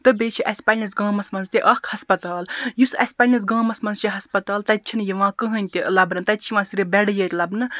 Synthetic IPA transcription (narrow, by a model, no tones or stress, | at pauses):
t̪ɨbeːt͡ʃʰiʔɐsʲpɐlʲɐ̃sɡɐ̃ːmɐsmɐnzt̪ʲiʔɐkʰhɐspɐt̪aːljusɐ̰sʲpʲɐnʲɐns̬ɡɐ̃ːmɐsmɐnzt͡ʃiɦɐspɐt̪aːlt̪ɐt̚t͡ʃʰinjɐʋãːkɨɦɐnʲt̪ʲilɐbnɐnt̪ɐt̪̚ʲt͡ʃʰiʋãːsiɾʲibɛɽjɐt̪ʲlɐbnɨ